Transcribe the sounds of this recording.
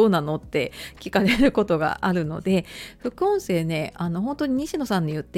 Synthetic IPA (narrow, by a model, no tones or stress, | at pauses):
oːnano̞t̪ːe̞kʲi̥kaɾe̞ɾɯ̟ko̞t̪o̞ɡa̰ʔaɾɯ̟no̞̰d̪e̞ɸɯ̟kɯ̟õɰ̃se̞ːne̞ano̞ɦõ̞nt̪o̞ɲ̟iɲ̟iɕino̞sãɲːijɯ̟t̪ːe